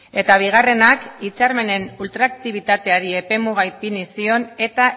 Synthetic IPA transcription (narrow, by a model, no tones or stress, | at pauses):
e̞t̪aβ̞iɣ̞are̞nakit͡saɾme̞ne̞nult̪ɾakt̪iβ̞it̪at̪e̞aɾie̞pe̞muɣ̞ajpinisio̞ne̞t̪a